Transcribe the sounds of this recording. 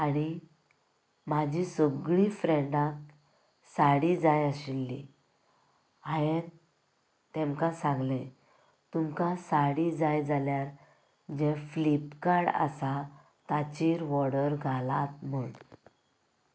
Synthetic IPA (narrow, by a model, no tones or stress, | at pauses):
aɽ̃i | mad͡ʑʱisəɡɭifɾɛɳɖãk̚ | saɽid͡zajəɕilːḭ | aje | t̪emkasãŋɡlẽ | t̪umkasaɽid͡zajd͡zaljaɾ | d͡ʑɛflipkaɽa̰sa | t̪at͡ɕiːɾʋɔɽəɾɡʱalat̪məɳ